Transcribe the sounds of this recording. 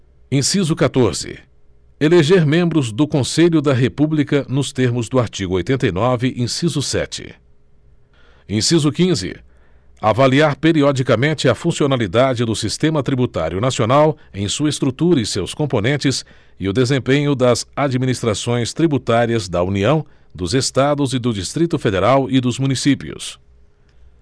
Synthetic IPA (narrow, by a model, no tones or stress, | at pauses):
ẽsizʊkat̪oɾz̥ɪ̰ | eleʒeɾmẽmbɾʊzd̪ʊkõseʎʊd̪ɐɦepublikɐnʊst̪eɾmʊzd̪ʊaɾt͡ʃiɡʊojt̪ẽnt̪ɐijnɔvɪʔẽsizʊsɛ̰t͡ʃɪ̰ | ẽj̃sizʊkĩzɪ̰ | avaliaɾpeɾiɔd͡ʒikɐmẽnt͡ʃɪɐfũsionalid̪ad͡ʒɪd̪ʊsist̪ẽmɐt̪ɾibut̪a̰ɾjʊnasionawẽj̃suɐest̪ɾut̪uɾɐɪ̃sewskõponẽnt͡ʃɪs | ɪʊd̪ezẽpẽɲʊd̪ɐzad͡ʒiminist̪ɾasõj̃st̪ɾibut̪aɾiɐzd̪ɐuniɐ̃w̃ | d̪ʊzest̪ad̪ʊzɪd̪ʊd͡ʒist̪ɾit̪ʊfed̪eɾawɪd̪ʊzmũnisipiʊ̰s